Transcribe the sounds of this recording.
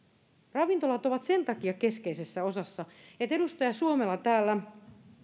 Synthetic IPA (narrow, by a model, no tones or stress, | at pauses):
rɑʋint̪olɑt̪oʋɑt̪se̞nt̪ɑkiɑkeskeisesːæo̞sɑsːɑet̪edust̪ɑjɑsuomelːɑt̪æːlːæ